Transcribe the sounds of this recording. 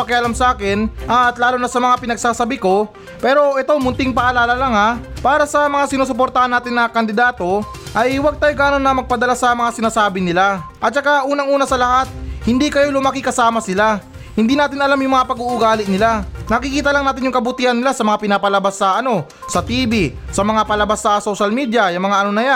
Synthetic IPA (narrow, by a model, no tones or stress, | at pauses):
pɐkɪʔɐlamsɐʔaːkɪnʔɐt̪laːlʊnɐsɐmɐŋapɪnɐɡ̚saːsɐbɪko̞ | pɛːɾo̞ʔɪt̪omʊnt̪ɪŋpɐʔɐlaːlɐlaŋapaːɾɐsɐmɐŋasɪnoːsop̬oɾt̪ɐhanːaːt̪ɪnːɐkɐnd̪ɪd̪aːt̪o̞ | ʔɐjwɐɡ̚t̪aːjoɡaːnonːɐmɐɡ̚pɐd̪ɐlasɐmɐŋasɪnaːsaːbɪnɪlaʔɐt̪̚t͡ʃɐkaʔuːnɐŋʔuːnɐsɐlɐhat̪̚hɪnd̪ikɐjo̞lʊmaːkɪkɐsaːmɐsɪla | hɪnd̪iːnaːt̪ɪnɐlamjʊŋmɐŋapɐɡuʔʊɡaːlɪnɪlanɐkɪkiːt̪ɐlaŋaːt̪ɪnjʊŋkɐbʊt̪ihɐnːɪlasɐmɐŋapɪnapɐlɐbasːɐʔɐno̞ | sɐt̪iːbi | sɐmɐŋapɐlɐbasːɐso̞ːʃɐlmiːd̪jɐjɐŋmɐŋaʔɐno̞nɐja